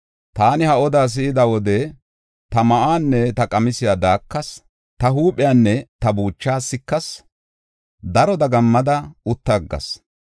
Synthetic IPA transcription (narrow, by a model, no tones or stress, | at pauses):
t̪aːnɪhɐʔɔd̪aːs̬ɪʔɪd̪ɐwɔd̪ɛ | t̪ɐmɐʔaːnːɛt̪ɐkʼɐmɪsɪjaːd̪aːkːɐs | t̪ɐɦuːpʼɪjaːnːɛt̪ɐbuːt͡ʃːaːsɪkːɐs | d̪ɐɾɔd̪ɐɡɐmːɐd̪ɐʊt̪ːɐɡːɐ̰s